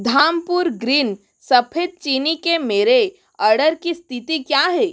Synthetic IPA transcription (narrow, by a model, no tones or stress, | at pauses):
d̪ʱaːmpuɾɡɾiːn | sɐpʰet̪̚t͡ʃiːnikemeːɾe | əɾɖəɾkist̪ʰit̪ikjaːɦɛː